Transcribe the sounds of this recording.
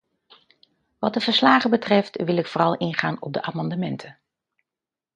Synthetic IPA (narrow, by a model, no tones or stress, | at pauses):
ʋɑt̚dəvəɹslaːχəbətrɛftʋɪlˠɪkfʊːrɑlˠʔɪnχaːnɔ̰b̚dəʔaːmɑndəmɛntʰə